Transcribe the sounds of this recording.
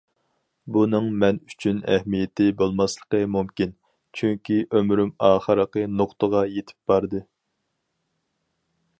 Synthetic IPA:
bunɨŋmɛny̥t͡ʃʰynæ̰hmijɪt̪ʰɪbolˠmɑslˠə̥qəmumkʲin | t͡ʃʰyŋkʲʰiʔømɾymɑːχəɾəqənoχt̪əʁɑjet̪ʰɪ̥p̚b̥ɑɾd̪ɨ

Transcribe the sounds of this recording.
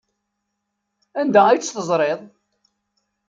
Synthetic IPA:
ænd̪ææjt͡sːθəzˤɾˤeðˤ

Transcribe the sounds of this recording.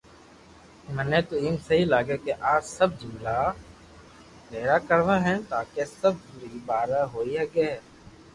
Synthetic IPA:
məneːt̪oːiːmsəɦiːlaːɡeːkeʔaːd͡ʒsəb̚d͡ʒɪmlaː | meːɾaːkəɾʋãːɦɛ̃ːt̪aːkeːsəb̚pʊɾiːbaːɾaːɦoːiːɦɛːɡeːɦɛː

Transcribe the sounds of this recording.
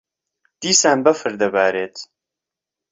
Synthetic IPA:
d̪̥iːsaːmbɐfɨɾd̪ɐbaːɾeːt̪

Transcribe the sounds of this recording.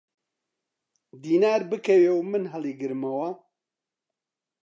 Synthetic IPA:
d̪iːnaːɾbɨkʰɛweːwmɨnɦɐliːɡɨɾmɐwɐ

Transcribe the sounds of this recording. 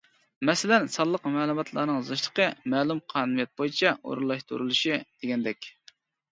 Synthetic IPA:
mɛsɪlɛnsɑlˠːəqmɛːlˠumɑt̪ʰlˠɑ̰ːnɨŋzɑʃlˠə̥qʰəmɛːlˠumqʰɑːnumijɛt̪̚bojit͡ʃʰɛo̰ɾulˠɑʃt̪ʰṵɾulˠuʃid̪̥eɡʲɛnd̪ɛkʲ

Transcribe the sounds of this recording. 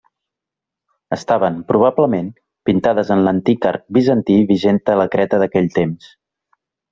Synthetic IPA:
əst̪aβəmpɾuβ̞abləmen | pint̪aðəzənlənt̪ika̰ɾk̚bizənt̪iβiʒent̪ələkɾɛt̪əðəkɛʎt̪ems

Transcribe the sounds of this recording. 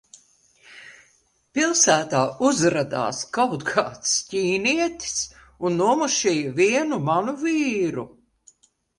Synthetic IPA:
pilˠsæːt̪aːuzɾad̪a̰ːskawt̪kʰaːt̪scʲiːniɛt̪i̥s | unːuɔmuʃiːjviɛnumanuviːɾu

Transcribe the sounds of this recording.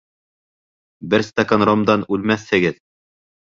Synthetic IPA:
bɘɾst̪akanɾomd̪ɑnʉlmæθhɘ̆ɡɘð

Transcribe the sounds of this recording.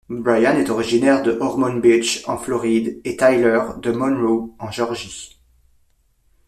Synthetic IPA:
bʁajanɛt̪ɔʁiʒinɛʁd̪əʔɔʁmɔnbit͡ʃɑ̃flɔʁid̪et̪ajlœʁd̪əmɔnʁoɑ̃ʒɔʁʒi

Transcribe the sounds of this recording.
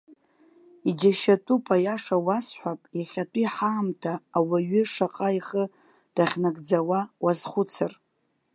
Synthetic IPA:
id͡ʒaʃatʼupʼajaʂawasħʷapʼjaχʲatʷʼiħaːmtʰaːwaɥʏʂaqʼaiχə | d̥aχʲnaɡʼd͡zawawazχʷʊt͡sʰɨr

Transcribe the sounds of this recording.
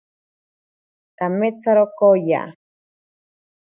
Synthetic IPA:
t̪amet͡saɾokoja̰

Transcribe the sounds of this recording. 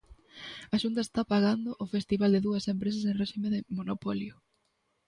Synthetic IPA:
aʃunt̪̬ɐest̪apaɣand̪ʊʔʊfest̪iβald̪ɪðuɐsempɾes̬ɐs̬ẽnreʃimeðɪmonopɔljʊ

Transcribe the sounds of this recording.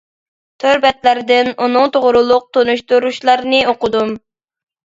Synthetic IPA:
t̪ʰøɾbɛt̪læɾd̪ɪnunʊŋt̪ʰoʁɾulˠʊq̚t̪ʰonuʃt̪uɾuʃlˠɑɾnɨoqʊd̪um

